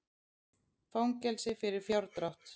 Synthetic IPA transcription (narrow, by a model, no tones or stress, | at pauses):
fawŋcɛlsɪfɪɾɪɾ̥fjawɾt̪ɾaht̪